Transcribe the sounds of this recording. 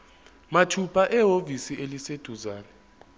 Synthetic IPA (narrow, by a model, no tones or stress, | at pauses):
matʰupʰaʔɛɦovisielised̥ʱuzaːnɛ